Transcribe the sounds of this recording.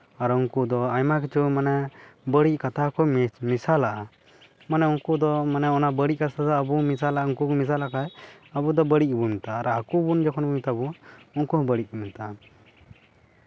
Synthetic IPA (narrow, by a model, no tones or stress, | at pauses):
aɾuŋkud̪ɔajmakit͡ʃumanɛbəɽikat̪ʰakɔmisalaʔa | manɛuŋkud̪ɔmanɛɔnabəɽiʔ̚kat̪ʰad̪ɔːbumisalaʔuŋkukmis̬alakajəbud̪ɔbəɽiʔ̚bumit̪aːɾaakubund͡ʒɔkʰɔnbumit̪abuɔŋkuhbəɽiʔ̚umit̪a